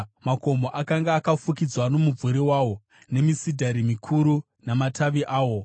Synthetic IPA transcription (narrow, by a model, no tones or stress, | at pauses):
mako̞moʔakaŋɡaːkafukid͡zwano̞muvuɾewaːwo̞ | ne̞misidʱaɾimikʰuɾu | namatʰaʋiʔaːwo̞